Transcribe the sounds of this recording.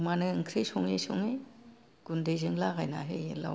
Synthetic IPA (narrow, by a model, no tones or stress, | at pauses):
manɯɯŋkʰɾejsɔŋesɔŋe | ɡ̥undejzeŋlaɣajna̰ɦela̰